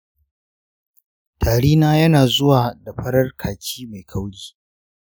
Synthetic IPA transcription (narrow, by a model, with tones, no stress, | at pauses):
tʰaː˨ɽiː˦naː˦jɐ˦naː˨zʊ˦waː˨da˨ɸɐ˦ɽɐ˦rkʰaː˨kʲʰiː˦ma˨jkʰa˦wɽiː˦